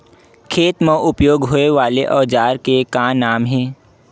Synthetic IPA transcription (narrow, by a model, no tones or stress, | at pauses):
kʰeːt̪mə̃ʔʊpjoːɡɦoːeʋaːleʔɔːd͡ʒaːɾkekãːnaːmɦɛ̃ː